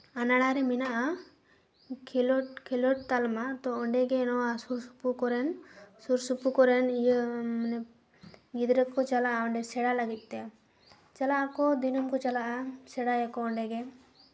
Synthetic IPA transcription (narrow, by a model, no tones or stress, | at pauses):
anaɽaɾɛminaʔa | klɔkʰɛlɔʈ̚t̪almat̪ɔɔɳɖɛɡɛnɔasuɾsu̥pukɔɾɛnsuɾsupukɔɾɛnijənɛ | ɡid̪ɾəkːɔt͡ʃalaʔaɔɳɖɛsɛɽalaɡit̪̚ˀt̪ɛ | t͡ʃalaːkɔd̪inumkɔt͡ʃalaʔasɛɽajɛkɔɔɳɖɛɡɛ